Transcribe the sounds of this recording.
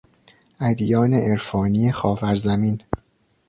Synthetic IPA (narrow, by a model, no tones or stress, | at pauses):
ʔæd̪jɒːneʔeɾfɒːnijexɒːvæɾzæmiːn